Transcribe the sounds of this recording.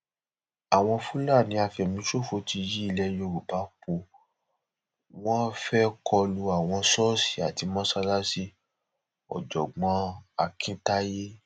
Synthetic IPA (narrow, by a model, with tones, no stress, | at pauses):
a˨w̃ɔ̃˧fũ˦la˦˨nĩ˧˦a˧fɛ˨mĩ˦ʃo˦˨fo˧ti˧ji˦i˦˧˨lɛ˧jo˧ɾu˨ba˨˦k͡po˧ | w̃ɔ̃˦fɛ˦kʰɔ˧lu˧a˨w̃ɔ̃˧sɔ˦si̥˨a˨ti˧˦mɔ̃˦sa˧la˦si˦ | ɔ̰˨d͡ʒɔ˨ɡ͡bɔ̃˨˦a˧kʰĩ˦ta˦je˦